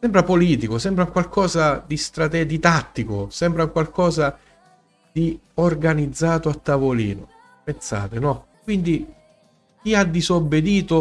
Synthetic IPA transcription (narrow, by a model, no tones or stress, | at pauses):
sɛmpɾapoliːt̪ikʊsɛmpɾauŋkwalkʰɔːzad̪ist̪ɾat̪ɛd̪it̪at̪ːikʊsɛmpɾauŋkwalkʰɔːza | d̪̥i | orɡanid̪zːaːt̪oat̪ːavolḭːnʊ̰ | pensa̰ːt̪ɪnɔkwind̪i | k̟iad̪ːizobːed̪iːt̪ʊ